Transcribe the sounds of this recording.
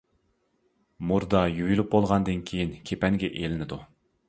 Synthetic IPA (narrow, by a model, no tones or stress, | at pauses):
muɾd̪ɑjyɡylˠup̚bolˠʁɑnd̪ɨnkʲʰejinkʲʰepɛŋɡʲɛʔelɪnɪd̪u